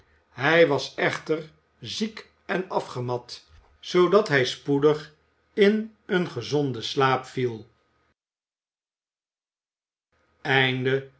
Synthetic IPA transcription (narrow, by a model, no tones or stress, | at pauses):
ɦɛjʋɑsɛχtər | zik | ɛnɑfχəmɑt | sowdɑtɦɛjspudəχ | ɪnənχəzɔndəslaːpfilˠ | ɛjndə